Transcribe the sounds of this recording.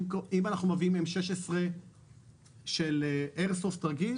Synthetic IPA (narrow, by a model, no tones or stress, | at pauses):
kimanaχnumeviimemʃeʃesʁe̞ | ʃeleʔeʁsoft̪ɐʁɡil